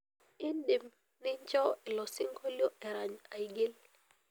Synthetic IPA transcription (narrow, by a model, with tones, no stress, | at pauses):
i˦ndi˨m | nɪ˦ɲt͡ʃɔ˦ɪ˨lɔ˨sɪ˦ŋɡo˦ljɔ˦ʔɛ˨ɾa˨ɲa˨i˨ɡɪ˦l